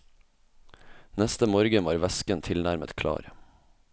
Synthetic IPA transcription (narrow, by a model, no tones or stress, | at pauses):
nɛst̪əmoːɾɡəʋɑːɾʋɛskənt̪ʰɪlnæɾmə̰t̪kʰlɑ̰ːɾ